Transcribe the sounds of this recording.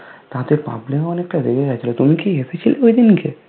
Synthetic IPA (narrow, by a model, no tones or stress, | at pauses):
t̪aɦt̪eɾpa̰blẽɔnekːad̪ekʰed͡ʒat͡ʃʰilot̪umikiepet͡ʃʰileoid̪inke